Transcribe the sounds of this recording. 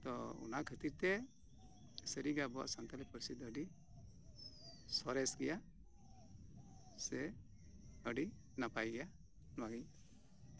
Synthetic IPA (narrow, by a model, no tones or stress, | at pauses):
t̪ɔṵnakʰət̪iɾt̪ɛ | səɾiɡabɔɔ̰t̪sant̪alipəɾsid̪əɖi | sɔɾɛsɡɛja | sɛ | əɖi | napajɡɛja | nwaɡiɲ